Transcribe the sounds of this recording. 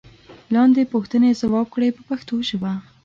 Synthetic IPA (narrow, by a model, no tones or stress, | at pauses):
lɑnd̪epuxt̪ənezawɑb̚kɽejpəpaxt̪oʃəwa